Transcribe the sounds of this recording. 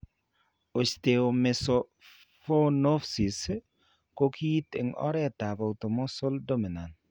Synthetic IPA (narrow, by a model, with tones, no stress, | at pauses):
o˨t͡ʃt̪e˨o˨mɪ˨sɔ˨ | fo˦no˦fsi˨s | ko˦kʰi˦tɪ̰˨ŋʔɔ̰˦ɾɛ˦ta˨ba˨u˨to˨mɔ˦so˦ldo˦mi˨na˨n